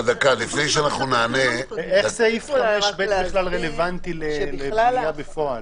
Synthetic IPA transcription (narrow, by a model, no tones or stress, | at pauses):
ad̪akalifnejʃeanaχnunaːneeχzeifameʃbeiχlalʁelevant̪ilelejabefoal